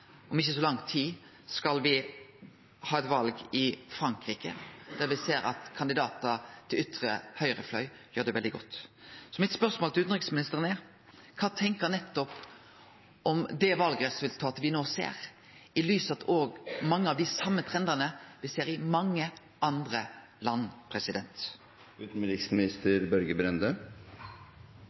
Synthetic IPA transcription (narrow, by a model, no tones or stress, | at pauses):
ʔɔmɪçːəsɔlɑŋt̪ʰiː | skɑlʋɪ | hɑːɛt̪ʋɑlɡɪfɾɑŋkʁiːkə̰d̪̥æːɾʋɪseːɾɑ̰t̪kʰɑnd̪ɪd̪ɑːt̪ɑt̪ʰɪlʏt̪ɾə̰hœʏɾəflœ̰ʏ | jøːd̪ɛʋɛld̪ɪɡɔ̰t̪ːsɔmɪt̪spœʁsmoːlt̪ɪlʉːt̪n̩ʁɪksmɪnɪst̪əʁənɛ | kʰɑːt̪ʰɛŋkəɾnɛt̪ːɔp | ɔmd̪ɛʋɑlɡɾəsʋɪlt̪ʰɑːt̪ʋɪnoːsḛːɾ | ɪlyːsɑt̪ʰoːɡmɑŋːəɑʋd̪ɪsɑmːət̪ʰɾɛnd̪ənəʋɪseːɾɪmɑŋːə | ʔɑnd̪ɾə | lɑnːpʰɾɛsɪd̪ɛnt̪ | ʉːt̪n̩ɾɪksmɪnɪst̪əɾbœɾɡəbɾɛnd̪ø